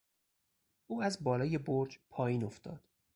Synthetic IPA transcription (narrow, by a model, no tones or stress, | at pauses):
ʔuːæzbɒːlɒːje̞boɾd͡ʒpʰɒːjiːno̞ft̪ɒ̰ːd̪̥